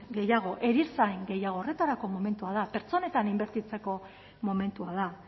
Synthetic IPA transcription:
ɡe̞jaɣ̞o̞ʔe̞ɾiɾsajŋɡe̞jaɣ̞o̞ːre̞t̪aɾako̞mo̞me̞nt̪uað̞ape̞ɾt͡so̞ne̞t̪animbe̞ɾt̪it͡se̞ko̞ | mo̞me̞nt̪uað̞a

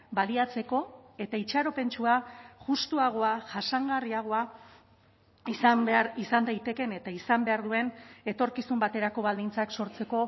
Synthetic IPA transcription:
baliat͡se̞ko̞e̞t̪ait͡ʃaɾo̞pe̞nt͡ʃuaʝust̪uaɣ̞o̞aʝasaŋɡariaɣ̞o̞a | isambeaɾisand̪ajt̪e̞ke̞ne̞t̪aisambe̞aɾðue̞ne̞t̪o̞ɾkisumbat̪e̞ɾako̞βald̪int͡sakso̞ɾt͡se̞ko̞

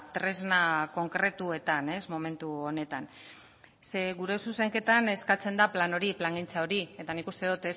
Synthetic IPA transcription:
t̪ɾe̞znako̞ŋkɾe̞t̪uet̪ane̞smo̞me̞nt̪uo̞ne̞t̪an | se̞ɣuɾe̞suse̞ŋke̞t̪ane̞skat͡se̞nd̪aplano̞ɾiplaŋɡint͡sao̞ɾie̞t̪anikust̪e̞ðut̪es

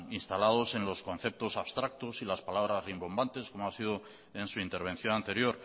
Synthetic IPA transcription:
inst̪alað̞o̞se̞nlo̞sko̞n̟θe̞p̚t̪o̞saβst̪ɾak̚t̪o̞silaspalaβ̞ɾazrimbo̞mbant̪e̞sko̞moasiðo̞ | e̞nsuint̪e̞ɾβe̞n̟θjo̞nant̪e̞ɾjo̞ɾ

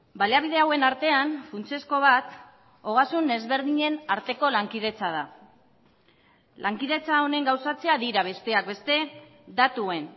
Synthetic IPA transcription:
balaβ̞iðe̞awe̞naɾt̪e̞anfunt͡se̞sko̞βat̪ | o̞ɣ̞asune̞zβe̞ɾðiɲe̞naɾt̪e̞ko̞laŋkið̞e̞t͡sað̞a | lʔaŋkiðe̞t͡sao̞ne̞ŋɡawsat͡se̞aðiɾaβ̞e̞st̪e̞ak̚be̞st̪e̞ | d̪at̪uen

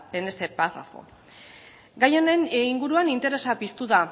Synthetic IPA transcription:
ene̞st̪e̞para̰fo̞̰ | ɡajo̞ne̞niŋɡuɾuanint̪e̞ɾe̞sapist̪uða

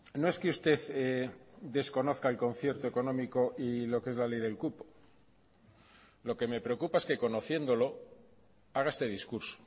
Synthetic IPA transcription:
no̞e̞skeust̪e̞θeðe̞sko̞no̞θkaelko̞nθje̞ɾt̪oe̞ko̞nõ̞miko̞ʔilo̞keezlale̞jðe̞lkupo̥ | lo̞ke̞me̞pɾeo̞kupae̞ske̞ko̞no̞θje̞nd̪o̞lo̞ | aɣ̞ae̞st̪e̞ð̞iskuɾso̥

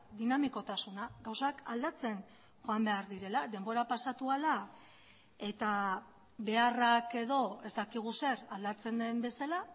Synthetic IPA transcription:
d̪inamiko̞t̪asunaɡawsakald̪at͡se̞n | xʝo̞ambe̞aɾðiɾe̞lad̪e̞mbo̞ɾapasat̪uala | e̞t̪a | be̞arake̞ðo̞e̞zd̪akiɣ̞use̞ɾald̪at͡se̞nd̪e̞mbe̞sala

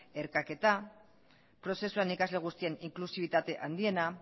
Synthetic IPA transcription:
e̞ɾkake̞t̪a | pɾo̞se̞suenikazle̞ɣ̞ust̪ie̞niŋklusiβ̞it̪at̪e̞ʔand̪ie̞na

